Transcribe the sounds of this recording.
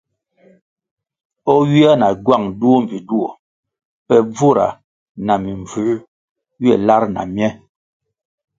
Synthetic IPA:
ɔ˦ɥi˦a˦na˨ɡwa˦˨ŋdu˦o˦m˨vi˨du˦o˨ | pɛ˦˨b͡vu˦˨ɾa̰˨ | na˨mi˨ɱb͡vʉ˨˦ | ɥi˦ɛ˦˨la˦ɾna̰˨mjɛ˦

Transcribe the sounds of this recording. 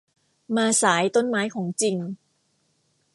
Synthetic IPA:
maː˧saː˩˦jt̪o˥˩˨nmaː˦˥jkʰɔː˩˦ŋt͡ɕi˧n

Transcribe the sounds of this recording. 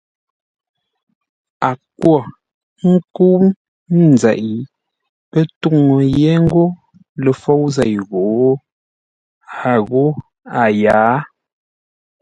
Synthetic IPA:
a˨kwɔ˦˨ | ŋ̩˦ku˦m̩˦˨ | zɛ˨ʔi˨ | pə˦tu˦˨ŋo˨jɛ˦ŋ̩˦ɡo˦ | lə˨fo˦wzɛ˨jɣo˨˦ | a˨ɣo˦ | a˨jaː˨˦

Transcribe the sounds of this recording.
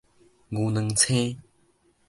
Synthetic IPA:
ŋu˨nə˨ŋt͡sʰẽ˦

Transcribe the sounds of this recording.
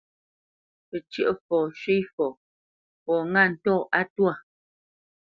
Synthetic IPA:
pə˨t͡ʃə˦ʔfɔː˨ʃɥi˦fɔ˨ | pɔː˨ŋa˦˨n̩˨tɔ˦˨a˦twa˦˨

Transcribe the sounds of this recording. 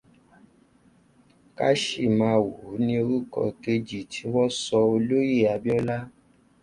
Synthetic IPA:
ka̰˦ʃi˦˨mã˨˧wu˨˦nĩ˧o˧ɾu˦kɔ̰˧˨ke˧d͡ʒi˨tʰi˨˦wɔ˦sɔ˧o˧lo˦je˦˨a˧bi˦ɔ˦la˦

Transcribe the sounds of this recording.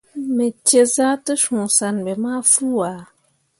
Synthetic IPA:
mɛ˨t͡ʃe˦zaː˦tɨ˦sʊ̃ː˨sa˨n˨bɛ˨maː˦fuː˦a˨

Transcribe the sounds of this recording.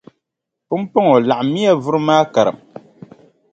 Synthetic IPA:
pʊ˦m˦po˦ŋɔ˨la˨ʔmːi˦a˦vʊ˦ɾɨ˦maː˦ka˨ɾɨ̰˨m

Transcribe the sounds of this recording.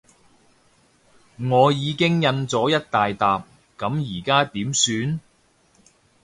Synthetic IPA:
ŋɔː˨˧jiː˨˧kɪ˥ŋjɐ˧nt͡sɔː˨˥jɐ˥t̚t̪aː˨jt̪aː˨p̚ | kɐ˨˥mjiː˨˩kaː˥t̪iː˨˥msyː˨˧n

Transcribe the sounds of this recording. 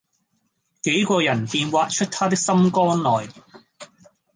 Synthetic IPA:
ke˨˥jkɔː˧jɐ˨˩npiː˧nwaː˧t̚t͡ʃʰɵ˥t̚t̪ʰaː˥t̪ɪ˥k̚sɐ˥mkɔː˥nlɔː˨j

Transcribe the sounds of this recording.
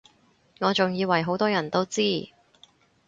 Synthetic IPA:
ŋɔː˨˧t͡sʊ˨ŋjiː˨˧wɐ˨˩jɦo˨˥wt̪ɔː˥jɐ˨˩nt̪o˥wt͡siː˥

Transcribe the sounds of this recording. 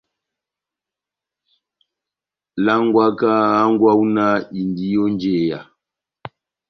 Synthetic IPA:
la˦ŋɡwa˦ka˦a˦ŋɡwa˦u˦na˦i˨ndi˦jɔ˦nd͡ʒe˨ja̰˨

